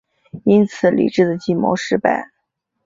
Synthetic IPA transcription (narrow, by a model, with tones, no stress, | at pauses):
i˥nt͡sʰɹ̩˨˩˦lḭ˨˩ʈ͡ʂɻ̩˥˩d̪ə˩t͡ɕi˥˩mo̰˧˥ʂɻ̩˥˧pa̰˥˩ɪ